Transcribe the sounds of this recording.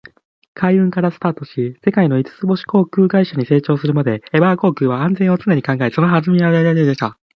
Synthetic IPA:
kʰaiɯ̟̃ŋkaɾasɨ̥t̪aːt̪o̞ɕise̞kaino̞it͡sɨ̥t͡sɨbo̞ɕi̥ko̞ːkɯ̟ːɡaiɕaɲ̟ise̞ːt͡ɕo̞ːsɨɾɯ̟mad̪e̞ːbako̞ːkɯːβaãnd͡zẽo̞t͡sɨneɲ̟ikãŋɡaeso̞no̞ɦaʑimʲiajaɾaed̪e̞ɕt̪a

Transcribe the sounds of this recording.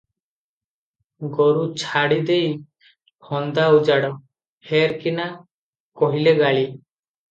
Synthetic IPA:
ɡɔɾut͡ʃʰaɽid̪ej | hɔnd̪aud͡ʒaɽɔ | heɾkina | kɔɦileɡaɭi

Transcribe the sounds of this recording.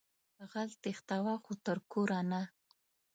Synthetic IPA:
əɣalt̪ext̪awaxot̪əɾkoɾana

